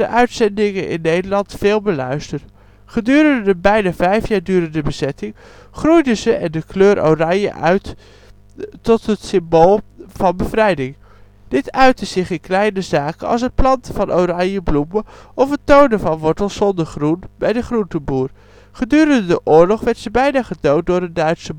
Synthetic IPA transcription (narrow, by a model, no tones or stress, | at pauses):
də̰ʔœɥtsɛndɪŋənɪ̰nːejdəlɑntfɪːlˠbəlœ̰ɥstər | χədyːɾəndəbɛjnavɛjfjaːɹdyːɾəndəbəzɛtɪŋ | χrujdəzəʔɛndəkløːɾʔo̰wrɑjə̰ʔœɥt | ɔtɦətsɪmboːlˠv̥ɑnbəvrɛjdɪŋ | d̥ɪtœɥtəz̥ɪχɪnklɛjnəzaːkənɑ̰lˠs̬ɦət̚plɑntəfɑnʔorɑjjəbluməʔɔfətowndəvɑnʋɔɹtəl̩ˠsɔndəɹχrunbɛjdəχruntəbuːr | χədyːɾəndədəʔʊːɹlɔχʋɛtsəbɛjnaːχədowt̚dʊːɹədœɥtsə